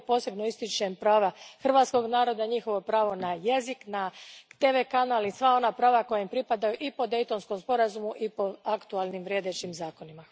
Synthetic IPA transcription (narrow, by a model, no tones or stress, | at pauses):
po̞ːse̞bnoist̪it͡ʃempɾaːʋaxr̩ʋaːt̪sko̞ɡnaːɾo̞d̪aɲixo̞ʋo̞pɾaːʋo̞naje̞ziknat̪e̞ʋe̞kanaːlisʋao̞napɾaːʋako̞jaimpɾipad̪ajuʔipo̞d̪e̞jt̪o̞nsko̞mspo̞ɾazumuʔipo̞akt̪ualnimʋɾʲje̞d̪et͡ʃimzaːko̞nima